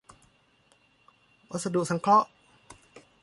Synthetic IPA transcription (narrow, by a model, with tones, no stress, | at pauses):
wa˧˩t̪̚sa˧du˨ʔsa˨˦ŋkʰɔ˦˥ʔ